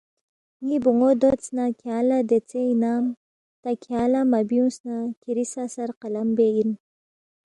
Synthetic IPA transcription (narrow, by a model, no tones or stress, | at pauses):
ŋibuŋod̪ot͡snakʰjaːlad̪et͡seinaːm | t̪akʰiaːlamabiunsnakiɾisasaɾqalambein